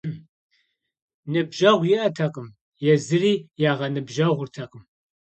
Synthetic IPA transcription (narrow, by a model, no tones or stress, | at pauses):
nɨbʒɐʁʷjɪʔɐtʰɐqʼəm | jɛzɨriːjaːʁɐnɨbʒɐʁʷʊrtʰɐqəm